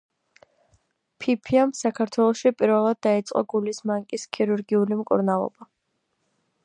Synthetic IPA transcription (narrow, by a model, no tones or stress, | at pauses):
pʰipʰiamsakʰaɾt̪ʰwɛlˠɔʃipʼiɾvɛlˠad̪̚ːait̪sʼqʼɔ̰ɡulismaŋkʼiskʰiɾuɾɡiulimkʼṵɾnalˠɔ̰ba